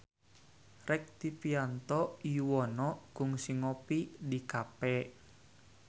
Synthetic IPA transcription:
rɛk̚t̪ipiant̪ɔiwɔnɔɡ̥ʊŋsiŋɔpidikapɛ

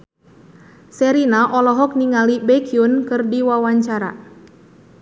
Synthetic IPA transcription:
sɛɾinaʔɔlɔɦɔk̚niŋalibɛkiunkɨrdiwawaɲt͡ʃaɾa̰

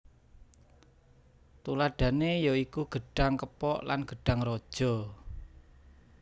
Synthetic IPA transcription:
t̪ulaɖ̥ä̤nejoikuɡ̥ə̤ɖ̥a̤ŋkəpɔʔla̰nɡ̥ə̤ɖ̥a̤ŋɾɔd̥ʒ̥ɔ̤

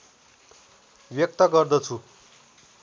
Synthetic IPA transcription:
bjʌk̚t̪ʌɡʌrd̪ʌt͡sʰu

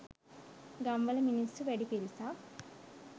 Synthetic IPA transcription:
ɡɐmbɐlɐminisuʋeɽipeɾisa

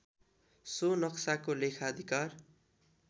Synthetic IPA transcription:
sonʌksakolekʰaʌd̪ʱikar

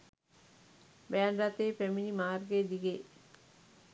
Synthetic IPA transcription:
beanɾat̪epemilimaːɾɡed̪iɡe

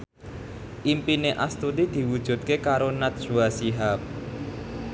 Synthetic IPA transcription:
ʔimpineʔast̪ud̪id̪̥i̤wud̥ʒ̥ṳt̪̚kekaɾonat̪̚suasiɦap̚

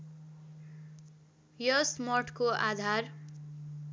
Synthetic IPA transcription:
jʌsmʌʈʰkoʔad̪ʱar

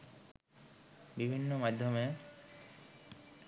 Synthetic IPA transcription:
bibʱinːomad̪ʱːjoməj

